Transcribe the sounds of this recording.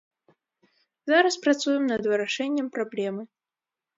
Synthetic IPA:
zaɾɐspɾat̪sujɛmnɐd̪vɨɾaʂɛnʲːɐmpɾablʲɛmɨ

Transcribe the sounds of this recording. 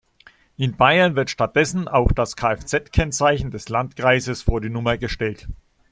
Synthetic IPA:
ʔɪnbaɪɐnvɪɐtʃtat̚d̥ɛsn̩ʔaʊxd̥askʰaːɛft͡sɛtkʰɛnt͡saɪçn̩dɛslantɡ̥ʁ̥aɪzəsfoːɐdiːnʊmɐɡəʃtɛlt

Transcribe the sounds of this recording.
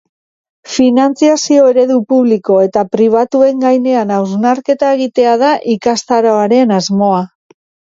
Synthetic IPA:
finant͡siasio̞e̞ɾe̞ðupuβliko̞e̞t̪apɾiβ̞at̪ue̞ŋɡajne̞anawznaɾke̞t̪ae̞ɣ̞it̪e̞að̞aʔikast̪aɾoaɾe̞nazmo̞a

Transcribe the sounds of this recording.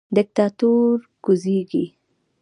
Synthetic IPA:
d̪ɪk̚t̪ɑt̪uɾ | ɡ̥ʊziɡḭ

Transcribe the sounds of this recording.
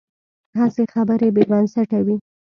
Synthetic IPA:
ɦasexabəɾebebansaʈawi

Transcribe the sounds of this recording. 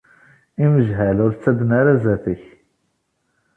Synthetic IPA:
iməʒɦælʊɾt͡sːæb̪naɾæzæθəç

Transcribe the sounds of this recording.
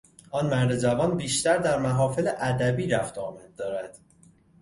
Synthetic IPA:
ʔɒːnmæɾd̪ed͡ʒævɒːnbiːʃt̪æɾd̪æɾmæɦɒːfeleʔæd̪æbiːɾæft̪ɒːmæd̪̚ːɒːɾæd̪̥

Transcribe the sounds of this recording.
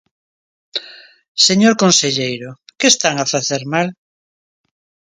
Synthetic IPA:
seɲoɾkonseʎejɾokest̪aŋafaθeɾmal

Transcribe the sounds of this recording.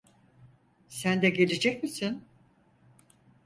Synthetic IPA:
sænd̪ɛɡe̞lʲed͡ʒɛcmisin

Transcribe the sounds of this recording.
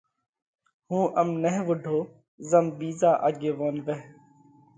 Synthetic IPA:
hũːʔəmnɛɦʋʊɖʱoː | zəmbiːzaːʔa̰ɡeːʋoːnʋɛɦ

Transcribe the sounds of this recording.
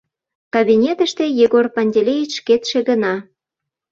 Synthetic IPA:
kɑβinʲet̪əʃt̪ejeɣorpɑnʲdʲelʲejit͡ɕʃket̪ʃĕɣənɑ

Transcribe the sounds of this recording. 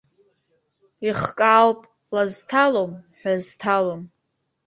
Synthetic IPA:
iχkʼaːwpʼ | laztʰalomħᶣaztʰalom

